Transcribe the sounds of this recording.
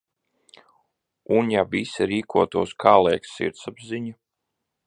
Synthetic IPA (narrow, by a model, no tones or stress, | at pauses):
unjavisiɾiːkʰuɔt̪uɔskʰaːlˠɛɛjksːḭɾt̪sabziɲa